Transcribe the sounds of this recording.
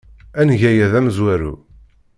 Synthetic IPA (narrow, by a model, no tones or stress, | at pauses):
ænʝæjæðæmzwæɾṵ